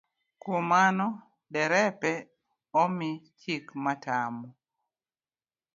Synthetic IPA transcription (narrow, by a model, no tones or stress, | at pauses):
kumanɔ | dɛɾɛpɛ | ɔmit͡ʃikmatamɔ